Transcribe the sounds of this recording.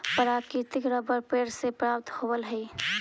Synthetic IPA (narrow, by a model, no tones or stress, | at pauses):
pəɾaːkit̪ɪkɾəbəɾpeːɾsepɾaːp̚t̪howəlɦɛi